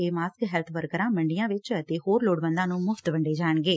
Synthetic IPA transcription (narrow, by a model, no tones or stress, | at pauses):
eːmaːskɦɛːlt̪ʰʋəɾkəɾãːməɳɖijãːʋɪt͡ʃət̪eːɦoːɾloːɽbə̃nd̪ãːnũːmʊfʰt̪bəɳɖeːd͡ʒaːɳɡeː